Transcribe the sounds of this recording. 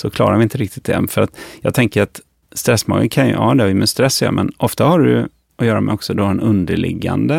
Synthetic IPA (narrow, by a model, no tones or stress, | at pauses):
sɔkʰlɑ̰ːɾaɾvɪɪnt̪əɾɪk̚t̪ɪ̥t̪̚d̪ɛ̰fœɾat̪jɑːt̪ʰɛŋkəɾat̪ | st̪ɾɛsːmɑ̰ːɡənkʰanjɵ̰hɑːd̪ɛɪmɛst̪ɾɛsːjɑ̰mɛnʔɔft̪ahaɖɵjɵ | ɔjœːɾamɛɔksɔd̪ɔɛnɵnd̪əɭɪ̰ɡːa̰nd̪ə